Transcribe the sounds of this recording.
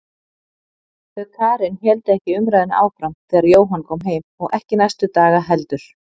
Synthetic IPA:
θœkʰaːɾɪnçɛlt̪ɪɛhcɪʏmɾajðɪna̰ːwfɾamθɛːɣaɾjoːwɦanːkʰɔːmɦeːjmɔɣɛhcɪnajst̪ʏt̪aːɣaɦɛlt̪ʏɾ̥

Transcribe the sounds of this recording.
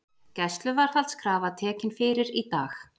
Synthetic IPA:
cɛst̪lʏvaɾ̥θalt̪skʰɾaːvat̪ʰɛːcɪnfɪːɾɪɾit̪aːx

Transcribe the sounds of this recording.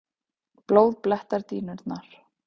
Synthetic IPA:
ploːwðplɛht̪aɾt̪iːnʏɾt̪naɾ̥

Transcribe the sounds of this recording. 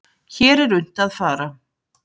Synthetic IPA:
çɛːɾɛɾʏn̥t̪aðfaːɾa

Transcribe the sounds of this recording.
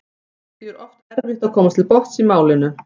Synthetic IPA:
dɪɛɾʔɔft̪ɛɾvɪxt̪akʰɔːmat̪ʰɪlpɔht̪simaːwlɪnʏ

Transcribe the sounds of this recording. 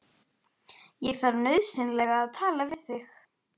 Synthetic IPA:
jɛɣθaɾnœɥðsɪnlɛɣaːðt̪ʰaːlavɪðθɪx

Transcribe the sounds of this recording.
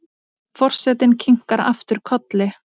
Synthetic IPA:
fɔr̥sɛt̪ɪncʰiŋ̥kaɾa̰ft̪ʏɾ̥kʰɔt̪lɪ

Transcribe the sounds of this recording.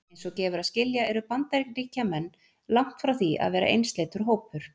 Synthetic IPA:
ejnsɔɣcɛːvʏɾaðscɪljaɛɾʏpant̪ɛɾkriːcamɛnː | lawŋ̥t̪fɾawθia̰ðvɛːɾa̰ʔejnst̪leːjt̪ʏɾ̥ɦoːwpʏɾ̥

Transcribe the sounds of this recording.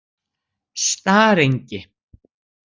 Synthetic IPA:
st̪aːɾejɲcɪ

